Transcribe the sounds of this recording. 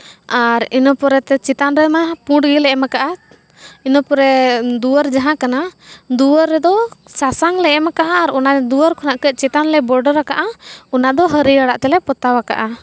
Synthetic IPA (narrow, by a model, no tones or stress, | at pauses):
aɾinɔpɔɾɛt̪ɛt͡ʃit̪anɾɛmapũɖɡilɛʔɛmakaʔa | inɔpɔɾɛd̪uwəɾd͡ʒaɦãkanad̪uəɾːɛd̪ɔsasaŋlɛʔɛmakaʔaːɾɔnad̪uəɾkʰɔnaʔkɛt͡ʃit̪anlɛbɔɾɖəɾakaʔaunad̪ɔɦəɾiaɽaʔt̪ɛlɛpɔt̪awaka̰ʔa